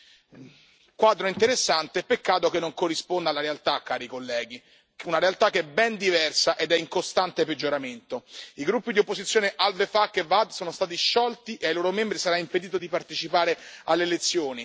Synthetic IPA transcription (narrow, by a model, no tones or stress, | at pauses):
kwad̪ɾoint̪eɾesːant̪eɛpːekːaːt̪okenːoŋkorːispond̪alːaɾealt̪akːaːɾikolːɛːɡi | unaɾealt̪akeɛbɛnd̪ivɛrsaʔed̪ɛiŋkost̪ant̪eped͡ʒːoɾament̪oiɡɾupːid̪iopːozit̪sjoːneʔalvefakːevːad̪soːnost̪aːt̪̬iʃːɔlt̪iʔeajloːɾomembɾisaɾaimped̪iːt̪̬od̪ipart̪et͡ʃipaːɾealːelet̪sːjoːni